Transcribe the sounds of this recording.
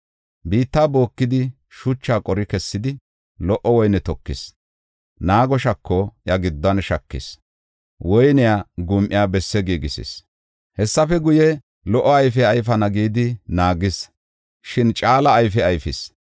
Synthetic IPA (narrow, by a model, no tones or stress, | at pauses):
biːt̪ːaːbo̞ːkːɪd̪ɪ | ʃʊt͡ʃːaːkʼɔɾɪkɛsːɪd̪ɪ | lɔʔːɔwɔjnɛt̪ɔkːɪs | naːɡɔʃɐkːɔjɐɡɪd̪ːɐnʃɐkːɪ̰s | wɔjnɪjaːɡʊmʔɪjaːbɛsːɛɡiːɡɪsɪ̰s | hɛsːɐfɛɡʊjɛ | lɔʔːɔɐjfɛɐjfɐnɐɡiːd̪ɪnaːɡɪs | ʃɪnt͡ʃʼaːlɐːjfɛɐjfɪs